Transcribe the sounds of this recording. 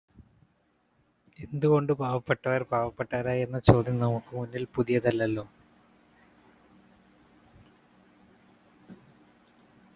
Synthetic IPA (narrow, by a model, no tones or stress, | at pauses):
e̞nd̪uɣo̞ɳɖɨbaːʋɐpːeʈːɐʋɐɾbaːʋɐpːeʈːɐʋɐɾaːje̞nːɐt͡ɕo̞ːd̪jɐnɐmukːɨmunːilpuðijɐt̪ɐlːɐlːo̞ː